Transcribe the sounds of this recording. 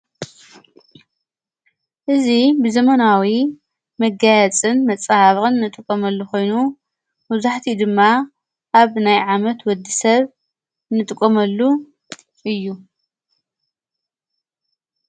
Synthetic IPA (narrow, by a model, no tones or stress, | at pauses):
ʔɨzibɨzɐmɐnawi | mɐɡajɐt͡sʼɨnmɐt͡sʼːahaβɨqʼɨnːɨt̪ʼɨkʼːomɐlːuxo̞jnu | mɨzaħt̪ʰid̪ɨmːa | ʔaβnajʕamɐt̪wɔd̪ːisɐβ | nɨt̪ʼɨkʼːomɐlːu | ʔɨjːu